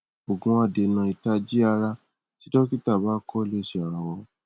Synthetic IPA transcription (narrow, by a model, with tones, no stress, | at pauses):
o˨ɡũ˨˧˦a˦˨de˨nã˧i˨ta˧d͡ʒi˦a˧ɾa˦ | ti˦dɔ˦ki˦ta˦˨ba˨˦kɔ˦le˦˨ʃe˧˨a˨ɾ̃ã˧wɔ˧